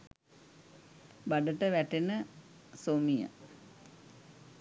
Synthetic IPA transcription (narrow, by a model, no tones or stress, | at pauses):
baɖəʈəʋæʈenə | somijə̰